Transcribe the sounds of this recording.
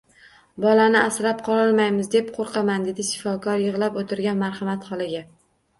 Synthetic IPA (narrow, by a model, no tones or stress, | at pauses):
bɒlanɪasɾap̚qʰɒlˠɒlˠmajmɪzd̪e̞p̚qʰoɾqʰɑmand̪e̞d̪ɪʃɪ̥fɒkʰɒɾjɨʁlˠapot̪ʰɪɾɡʲanmaɾhɑmat̪χɒlˠɪɡʲa